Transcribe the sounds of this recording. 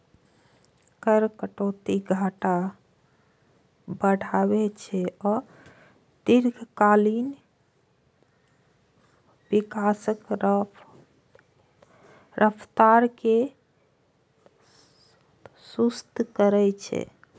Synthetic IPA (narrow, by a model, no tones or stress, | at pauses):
kəɾkəʈot̪iɡʱaʈa | bəɽ̤ʱabɛt͡ʃʰɛɔ | d̪iɾɡʱkalin | bikasək | ɾʔəpʰt̪aɾke | sust̪kəɾɛt͡ʃʰɛ̰